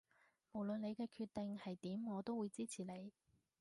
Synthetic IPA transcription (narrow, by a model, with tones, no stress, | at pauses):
mo˨˩wlɵ˨nle˨˧jkɛː˧kʰyː˧t̪e˨ŋhɐ˨jt̪iː˨˥mŋɔː˨˧t̪o˥wːuː˨˧jt͡siː˥t͡sʰiː˨˩le˨˧j